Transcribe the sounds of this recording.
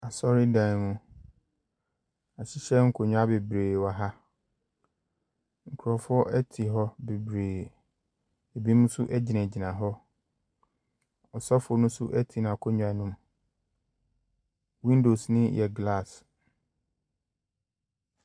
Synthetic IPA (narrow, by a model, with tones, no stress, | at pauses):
a˨sɔ˦ɾi˦dã˨mũ˦ | a˨ɕɪ˦ɕɛ˦ŋ̩˦kʰo˨ɲ̃ᶣ˦a˦be˨bɾeː˨wa˨ɦa˦ | ŋ̩˨kʰʊ˨ɾɔ˨fʊ˦ɔ˦ʔɛ˦tʰi˨ɦɔ˦be˨bɾeː˨ | e˨bi˦mũ˦sʊ˦ʔɛ˦d͡ʑi˨nɛ̃˨d͡ʑi˨nã˨ɦɔ˦ | ɔ˨sɔ˦fo˨nʊ̃˦sʊ˦ʔɛ˦tʰi˨nã˨kʰo˦ɲ̃ᶣ˨˦ã˨˦nũ˦m | wĩ˦ndo˨snɪ̃˦jʔɛ˨ɡla˦˨s